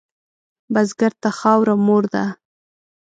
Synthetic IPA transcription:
bazɡaɾt̪axɑwɾamoɾd̪a̰

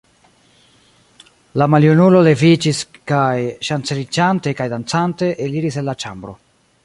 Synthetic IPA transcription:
lamaljunulo̞le̞vid͡ʒiskajʃant͡selid͡ʒante̞kajdant͡sante̞ʔeliɾise̞nlat͡ʃa̰mbɾo̞̰

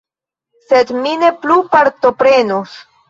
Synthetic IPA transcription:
sed̪mineplupaɾt̪opɾenus

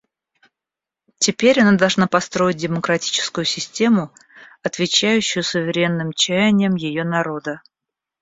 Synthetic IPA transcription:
tʲɪpʲeɾʲɐnad̪ɐlˠʐnapɐst̪ɾo̞jɪt̚ʲdʲɪməkɾɐtʲi̥t͡ɕɪ̥skʊjʊsʲɪsʲtʲe̞mʊ | ɐt̪vʲɪt͡ɕæjʉɕːʊjʊsʊvʲɪɾʲe̞nːɨmt͡ɕæjɪnʲɪjəmjɪjonɐɾo̞d̪ə

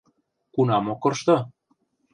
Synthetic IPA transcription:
kunɑmokɤ̆rʃt̪ɤ̆

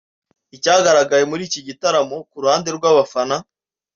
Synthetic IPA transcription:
icaːɡaɾaɡaje̞muɾiːciɟitaɾamo̞kuɾuhaːnde̞ɾɡwaːβafana

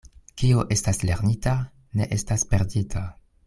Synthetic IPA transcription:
kioʔe̞stasle̞ɾnita | ne̞̰ʔe̞staspe̞ɾditʰa

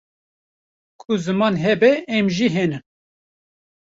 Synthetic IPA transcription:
kʰʊzɨmɑːnɦɛbɛɛmʒiɦɛnɨm

